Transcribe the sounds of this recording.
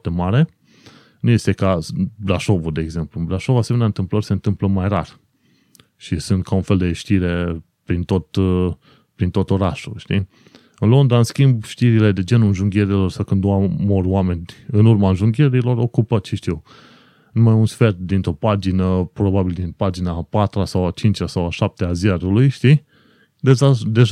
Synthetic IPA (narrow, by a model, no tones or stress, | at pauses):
t̪e̞maɾe̞ | nuje̞st̪e̞kabɾaʃo̞vud̪e̞ːɡze̞mplublaʃo̞vase̞meneaɨnt̪ɨmplərʲse̞ɨnt̪ɨmpləmajrar | ʃisunt̪̚kʰaunfe̞ld̪e̞ʃt̪iɾe̞ | pɾint̪o̞t̪ | pɾint̪ot̪o̞ɾaʃṵlʃt̪i | ɨnlo̞nd̪aɨnskʲimbʃt̪iɾile̞d̪e̞d͡ʒe̞nulʒuŋɡʲe̞ɾilo̞rsawkɨnd̪amo̞roame̞nʲɨnurmaɨnʒuŋɡʲe̞ɾilo̞ɾo̞kupət͡ʃiʃt̪iw | numajunsfe̞rt̪̚d̪int̪ɾo̞pad͡ʒinəpɾo̞babild̪inpad͡ʒinapat̪ɾasawat͡ʃint͡ʃʲasawaʃap̚t̪eazjaɾulujʃt̪i | d̪e̞ʒad̪e̞ʒ